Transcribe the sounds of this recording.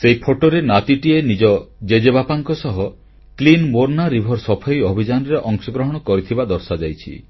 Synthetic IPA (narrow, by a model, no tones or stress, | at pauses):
seipʰoʈoɾenat̪iʈienid͡ʒɔd͡ʒed͡ʒebapaŋkɔsɔɦɔ | klinmoɾnaɾibʱɔɾsɔpʰajɔbʱid͡ʒanɔɾeʔɔŋsɔɡɾɔɦɔɽ̃ɔkɔɾit̪ʰibad̪ɔɾsad͡ʒajt͡ʃʰḭ